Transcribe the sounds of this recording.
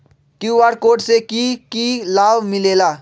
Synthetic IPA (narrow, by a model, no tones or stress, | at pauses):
kjuaɾkoʈsekikilabmilela